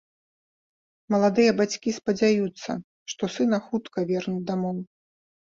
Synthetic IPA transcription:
mɐlˠad̪ɨjɐbat͡sʲkʲispɐd͡zʲajut̪sːɐ̰ | ʂt̪ɔsɨnɐxut̪kɐvʲɛrnʲɛd̪amɔw

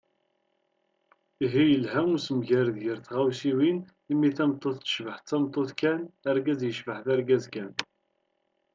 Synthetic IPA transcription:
iɦijəlɦæŋusəmʝæɾðjəɾθʁawsiwin | imːiθæmt̪ˤːoθːə̥ʃvəħt̪t͡sːæmt̪ˤːoθkænæɾɡæzjəʃvəħθæɾɡæzkæn

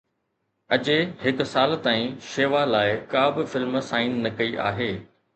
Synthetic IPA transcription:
ɐd͡ʑehɪksaːlt̪aːĩʃeːʋalaːɪkaːbɪfɪlmsaːɪnːɐkɐiʔa̰ːɦeː

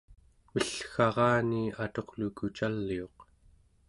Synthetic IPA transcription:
məɬxɑʁɑːniːat̪o̞qlukut͡ʃalːio̞q

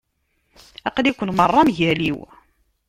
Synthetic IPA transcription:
æqlikʷənmərˤːɑmʝæliw

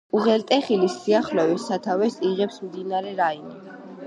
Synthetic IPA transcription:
uʁɛlt̪ʼɛχilisːiaχlɔvɛsat̪ʰavɛsiʁɛpsmd̪inaɾɛɾaini

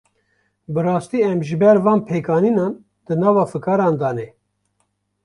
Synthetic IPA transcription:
bɨrɑːst̪iːɛmʒɨbɛɾvɑːnpʰeːkɑːninɑːn | d̪ɨnɑːvɑːfɨkɑːɾɑːnd̪ɑːnɛ

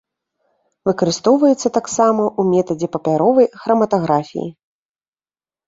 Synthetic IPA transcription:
vɨkɐɾɨst̪ɔwvɐjɛt̪sːɐt̪aksamɐʔumʲɛt̪ɐd͡zʲɛpɐpʲaɾɔvɐjxɾɐmɐt̪aɣɾafʲḭjḭ

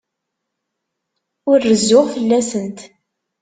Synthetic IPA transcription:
ʊɾːəzːʊʁfəlːæsənt̪

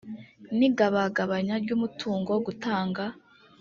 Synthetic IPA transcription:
niɡaβaɡaβaɲaɾɟumutʰuːŋɡoɡutaːŋɡa

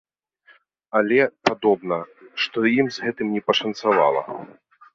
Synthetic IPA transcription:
alʲɛpad̪ɔbnɐʂt̪ɔjimzɣɛt̪ɨmnʲɛpɐʂɐnt̪sava̰lˠɐ̰

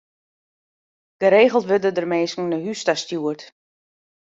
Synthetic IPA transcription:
ɡ̥əɾeːɣəl̩ˠtʋødədərmeːskŋ̩nəɦystastjuərt

